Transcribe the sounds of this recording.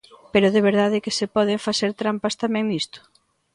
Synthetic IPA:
peɾʊðeβ̞eɾðað̞ɪkɪsepɔð̞ɪɱfaθeɾt̪ɾampast̪amɛ̃ŋnist̪ʊ̥

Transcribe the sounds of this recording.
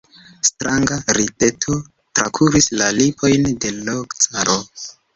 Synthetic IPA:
stɾaŋɡaɾite̞tʰo̞ | tɾakʰuɾislalipʰo̞jnde̞lokt͡saɾʔo

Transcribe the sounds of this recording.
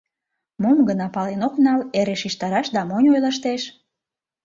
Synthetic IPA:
momɡənɑpɑlenoknɑleɾeʃiʃt̪ɑɾɑʃd̪ɑmonʲojləʃt̪eʃ

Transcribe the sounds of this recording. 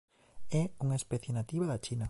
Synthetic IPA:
ɛuŋaespɛθjenat̪iβaðɐt͡ʃinɐ

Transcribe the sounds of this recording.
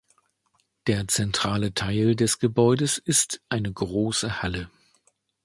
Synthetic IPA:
d̥eːɐt͡sɛntʁ̥aːlətʰaɪldɛsɡ̥əbɔʏdəsɪstʔaɪnəɡʁoːsəhalə

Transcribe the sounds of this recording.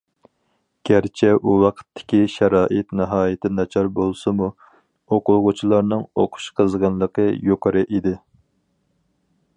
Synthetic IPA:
ɡ̥ʲæɾt͡ʃʰɛʔuwɑqʰə̥t̪ʰːɪ̥kʲiʃæɾɑːʔɨt̪nɨɦɑːjɪt̪ʰɪnɑt͡ʃʰɑɾbolˠsɨmu | oqʊʁʊt͡ʃʰilˠɑɾnɨŋoqʰʊ̥ʃqʰəzʁɑnlˠəqəjoqʰəɾɨʔid̪ɪ

